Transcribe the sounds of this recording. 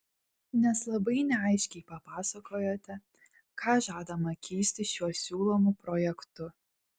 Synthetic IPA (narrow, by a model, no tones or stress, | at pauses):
nʲɛslˠɐbɐɪnʲɛɐɪʃʲkʲɛɪpɐpɑːsɐkoːjoːt̪ʲɛ | kʰɑːʒɑːd̪ɐmɐkʲʰiːsʲt̪ʲɪʃʲuɔsʲuːlˠɔːmupɾɔjɛkt̪ʊ